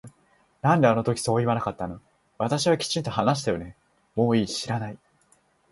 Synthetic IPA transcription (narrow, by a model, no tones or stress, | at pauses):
nãnd̪e̞ano̞t̪okʲi̥so̞ːiβanakat̪ːano | βat̪aɕiβakʲi̥t͡ɕĩnt̪o̞hanaɕ̬i̥t̪ajo̞ne̞ | mo̞ːiːɕiɾanai